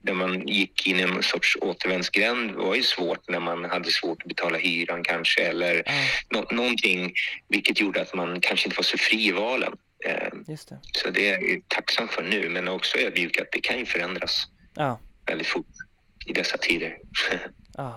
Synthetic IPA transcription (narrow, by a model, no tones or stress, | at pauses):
d̪æɾmanjɪkʰːɪnːɪɛnsɔʈʂoːt̪əɾvɛnd̪sɡɾɛnd̪va̰ɾjɵsvoːʈnæɾmanhad̪ːəsv̥oːʈɔbɛt̪ʰɑːlahyːɾankʰanʂəɛlːəɾnɔnːɔnt̪ʰɪŋːvɪlkət̪ʰjuːɖəat̪mankʰanʂəɪnt̪ːəvaʂɔfɾiːɪvɑːlə̰n | sɔd̪ɛæɾj̰t̪ʰaksamt̪fœɳʉ̟ːmɛnɔksɔøːɾbjʉ̟ːɡat̪̚d̪ɛkʰanjɵfœɾɛnd̪ɾas | vɛ̰ld̪ɪt̪fʊʈː | ɪd̪ɛsːat̪ʰiːd̪əɾ